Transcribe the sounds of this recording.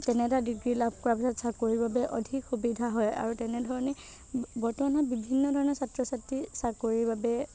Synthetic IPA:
tɛnɛtadiɡɹilabʱkɔɹapisɔtsakoɹibabɛʔɔdʱikxubidʱaɦɔja̰ɹutɛnɛdʱɔɹɔnɛ | bɔɹtɔmanabibʱinːɔdʱɔɹɔnɔɹsatɹɔsatːisakoɹibabɛ

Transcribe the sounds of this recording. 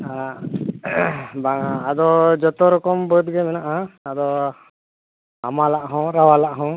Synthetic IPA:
a | baad̪ɔd͡ʒɔt̪ɔɾɔkɔmbət̪̚ɡɛmɛnaʔɦaːd̪ɔ | amalaʔɦɔ̃ɾawalaʔɦɔ̃

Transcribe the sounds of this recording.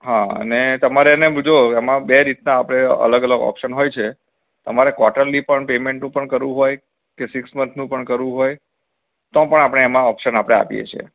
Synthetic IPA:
ɦaə̰net̪əmaɾenebud͡ʒokamãbeɾit̪naːpəɽ̃eə̰ləɡələɡɔ̰pʃənɦojt͡ʃʰe | t̪əmaɾekʋɔʈəɾlipəɳpemẽɳʈnũpəɳkəɾʋũɦoj | kesɪksmənsnũpəɳkəɾʋũɦoj | t̪ɔpəɳapəɽ̃eːmãɔpʃənapəɽ̃ea̰pjḛt͡ʃʰiḛ

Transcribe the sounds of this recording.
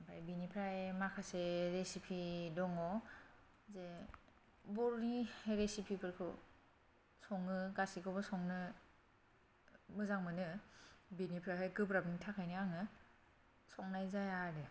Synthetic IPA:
bajbinipʰɾaemakʰaseɾesipʰidɔŋɔ | ze | buɾniɾesipʰibɯɾkʰɯ̰ | sɔŋːɯɡasikʰɔbɯsɔŋnɯ | mɯzaŋmɯnɯbinipʰɾaɦajɡɯbɾabnitʰakʰajnɯaŋɯ | sɔŋnajzajadɯ

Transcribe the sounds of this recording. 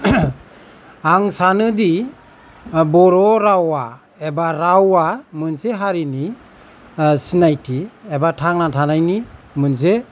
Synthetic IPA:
aŋsanɯdi | bɔɾɔɾawa | ebaɾawamɯnseɦaɾini | sinajtʰiebatʰaŋnatʰanajni | mɯns̬e

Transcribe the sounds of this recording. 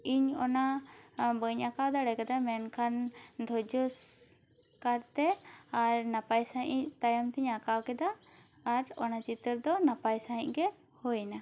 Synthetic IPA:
iɲɔna | bəɲakawd̪aɽɛkɛd̪amɛnkʰand̪ʱɔd͡ʒɔs | kaɾt̪ɛaɾnapajsaɦiɲʔt̪ajamt̪iɲakawkɛd̪aː | ɾɔnat͡ʃit̪əɾd̪ɔnapajsaɦḭ̃cɡɛ | hojna

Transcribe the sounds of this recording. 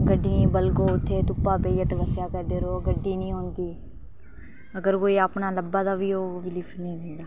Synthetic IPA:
ɡəɖːĩbəlkoːʊt̪ʰːeːt̪ʊpːaːpeːjət̪ʋəsjaːkɛɾd̪eːɾoːɡəɖːiːnĩːɦoːnd̪iː | əɡəɾkoːiːaːpnaːləbːaːd̪aːʋiːoːʋɪliːpʰnəĩːd̪ɪ̃nd̪aː

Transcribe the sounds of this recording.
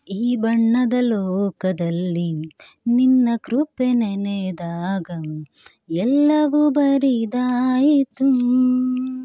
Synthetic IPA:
iːbɐɳːɐd̪ɐlɔːkɐd̪ɐlːi | ninːɐkɾupenened̪aːɡɐ | ɛlːɐʋubɐɾid̪aːjit̪u

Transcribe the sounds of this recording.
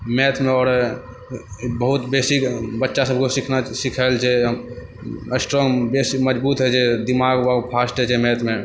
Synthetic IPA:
met̪ʰmeɔːɾ | bəɦut̪besikbətːʃasəb̚ʱkosikʰnasikʰəld͡ʒe | sʈɾoŋɡbesiməd͡ʒbuːt̪ɦɛd͡ʒed̪imaɡwapʰasʈɦɛd͡ʒemɛt̪ʰme

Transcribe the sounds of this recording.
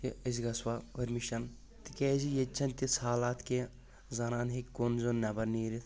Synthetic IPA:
tiɐzɡɐswaʋɐɾmiʃɐn | t̪ikeːzijet͡ʃʰɐnt̪isaːlaːt̪ke | zɐnaːnɦekkːoːnzonːɐbɐɾniːɾit̪ʰ

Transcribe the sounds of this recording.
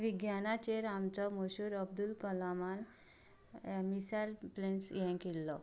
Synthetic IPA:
ʋiɡjanat͡ɕeɾamt͡sɔməɕuɾəb̚d̪ulkəlaman | misajlplensjɛ̃kelːɔ

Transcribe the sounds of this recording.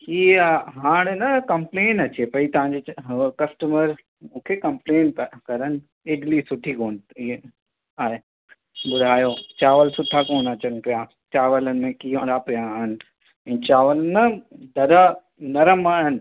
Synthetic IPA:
iːɦaːɽ̃enɐkɐ̃mpleːnɐt͡ɕepɐit̪ɐʋ̤ãːɲd͡ʑekɐsʈəməɾ | mũːkʰekɐ̃mpleːnkɐɾənɪ̆ | eːɖlisʊʈʰikoːn | aːɦe | bʊdʱaːjot͡ɕaːʋəlsʊʈʰakoːnɐt͡ɕənpija | t͡ɕaːʋələnɪ̆mẽkiːõd̪apijaːɦɪnɪ̆ | ɛ̃ːt͡ɕaːʋələnɐd̪ɐɾə | nɐɾəmaːɦɪnɪ̆

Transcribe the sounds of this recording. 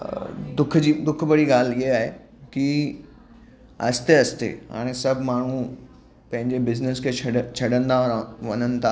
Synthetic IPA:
d̪ʊkʰd͡ʑiːd̪ʊkʰbɐɽiɡaːlɪɦeaːɦe | ki | ɐst̪eɐst̪ḛɦa̰ːɽ̃esɐbʱmaːɳ̤ũ | pɐ̃ɦɪ̃ɲd͡ʑebɪznəskʰeːt͡ɕʰɐt͡ɕʰɐɽə̃nd̪aɾʋɐnənɪ̆t̪ʰaː

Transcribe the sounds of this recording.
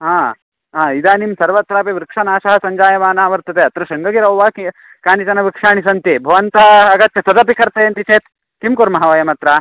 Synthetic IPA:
ɦãː | ɦãːid̪aːnimsɐɾʋɐt̪ɾaːpeʋɾikʂɐnaːʃɐɦɐsɐɲd͡ʒaːjɐʋaːnaːʋɐɾt̪ɐt̪eːɐt̪ɾɐʃɐŋɡɐɡiɾɐwʋaːki | kaːnit͡ʃɐnɐʋikʂaːɳisɐnt̪ibʱɐʋɐnt̪aɐɡɐt̪jɐsɐd̪ɐpikɐɾt̪ɐjɐnt̪it͡ʃeːt̪ | kimkuɾmɐɦɐʋɐjɐmɐt̪ɾaː

